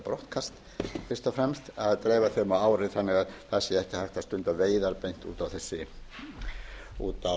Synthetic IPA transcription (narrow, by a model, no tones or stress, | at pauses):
pɾɔht̪kʰast̪ | fɪr̥st̪ɔfɾɛmst̪aðt̪ɾeːjvaθemawaːwɾɪθanːɪɣaðθasːɪɛhcɪhajht̪ast̪ʏnt̪aveːjðaɾpejn̥t̪ṵːt̪awθɛsːɪ | ṵːt̪a